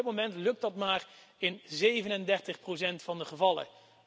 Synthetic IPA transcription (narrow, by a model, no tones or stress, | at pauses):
t̚momɛntlɵk̚tɑtmaːr | ɪnzejvənɛndɛɹtəχprosɛntfɑndəχəvɑlˠə̰